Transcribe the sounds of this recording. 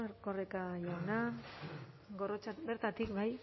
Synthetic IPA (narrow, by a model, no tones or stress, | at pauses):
korekajawna | ɡorot͡sabeɾt̪at̪ikbaj